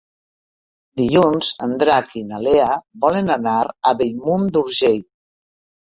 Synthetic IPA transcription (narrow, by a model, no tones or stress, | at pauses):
d̪iʎunz̥and̪ɾakinaleabɔlenanaɾaβejmund̪uɾʒej